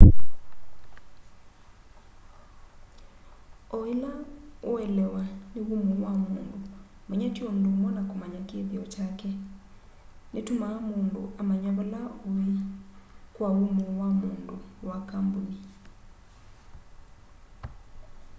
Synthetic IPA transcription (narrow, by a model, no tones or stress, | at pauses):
oelaoɛlɛwaneɣumowamoːndomɛɲatiɔm̩domɔnakomaɲakeðiɔt͡ʃakɛ | netumamondo̰ʔamaɲaβolao | kwaumowamondowakamboni